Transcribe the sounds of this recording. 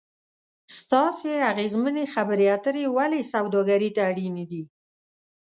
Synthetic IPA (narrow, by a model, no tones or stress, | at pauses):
st̪ɑseaɣezmənexabəɾeat̪əɾewalesawd̪ɑɡaɾit̪aːɽinid̪i